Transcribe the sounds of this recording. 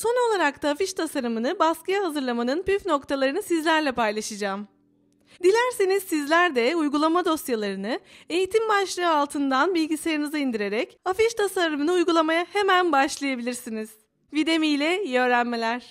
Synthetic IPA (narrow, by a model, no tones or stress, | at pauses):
so̞no̞lˠaɾakt̪ʰaːfiʃt̪ʰasaɾɯmɯnɯbaskɯjaɦazɯɾlˠamanɯnpyfno̞kt̪ʰalˠaɾɯnɯsizlʲæɾlʲɛpajlˠaʃɯd͡ʒaːm | d̪ilʲæɾsinizsizlʲæɾd̪ɛujɡulˠamad̪o̞sjalˠaɾɯnɯe̞jit̪ʰimbaʃlˠɯɯalˠt̪ʰɯnd̪anbilʲɟiseɾɯnɯzɯind̪iɾe̞ɾɛcafiʃt̪ʰasaɾɯmɯnɯujɡulˠamajahe̞mænbaʃlˠajabilʲiɾsiniz̥ | vid̪e̞mijlʲɛjø̞ːɾænme̞lʲæɾ̥